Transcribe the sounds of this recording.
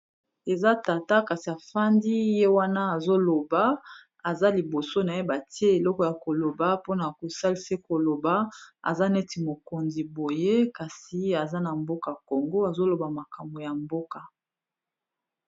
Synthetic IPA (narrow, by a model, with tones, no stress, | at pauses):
e˨za˦ta˨ta˦ka˨si˨a˨fa˦ndi˦je˦wa˦na˦a˨zo˦lo˨ba˦ | a˨za˦li˨bo˨so˦na˨je˦ba˨ti˦e˦e˨lɔ˦kɔ˨ja˨ko˨lo˨ba˦po˦na˨ko˨sa˦li˦se˦ko˨lo˨ba˦a̰˨za˦nɛ˦ti˨mo˨ko˨nzi˨bo˨je˦ka˨si˨a˨za˦na˨mbo˦ka˨ko˨ŋɡo˦a˨zo˦lo˨ba˨ma˨ka˨mbo˨ja˨mbo˦ka˨